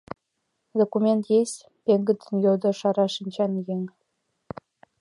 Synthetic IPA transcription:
d̪okumʲent̪jesʲ | pʲeŋɡɘ̆d̪ʲɘ̆njod̪ɤ̆ʂɑɾɑʂĭnʲt͡ɕɑnʲjeŋʲ

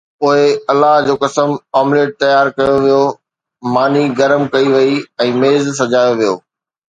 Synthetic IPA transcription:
ʊɦeɐlːaɦd͡ʑoːkɐsəmaːmleːɖ̚t̪ɐjaːɾkɐjoʋijo | maːniɡɐɾmkɐiʋɐiɛ̃ːmeːzsɐd͡ʑaːjoʋijo̰ː

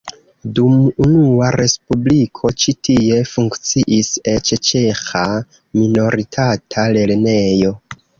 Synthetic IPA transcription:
dumunuaɾe̞spublikʰo̞t͡ʃitie̞fuŋkt͡siʔiset͡ʃt͡ʃe̞xa | mino̞ɾitʰatʰale̞ɾne̞jo̞

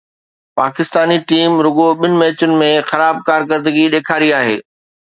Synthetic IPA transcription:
paːkɪst̪aːniʈiːmɾʊɡoɓɪnɪ̆mɛːt͡ɕʊnɪ̆mẽxɐɾaːb̚kaːɾk̬əɾd̪əɡiɗeːkʰaːɾiaːɦḛː

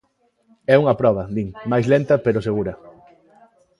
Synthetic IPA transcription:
ɛuŋɐpɾɔβ̞ɐd̪iŋmajslent̪ɐpeɾʊseɣuɾɐ

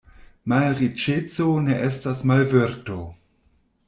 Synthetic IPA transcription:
malɾit͡ʃet͡soneʔestasmalveɾto

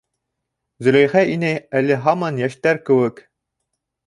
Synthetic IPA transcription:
zɵ̆læ̆jχæʔinæjælɘɦɑmɑnjæʃt̪æɾkɘ̆wɘk

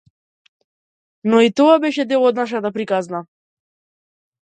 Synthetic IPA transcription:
nɔit̪ɔabɛʃɛd̪ɛlˠɔd̪naʃ̬at̪apɾikazna

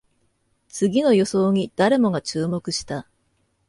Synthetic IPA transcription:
t͡sɨɡʲino̞jo̞so̞ːɲ̟id̪̥aɾe̞mo̞ɡat͡ɕɨːmo̞kɯ̟ɕi̥t̪a

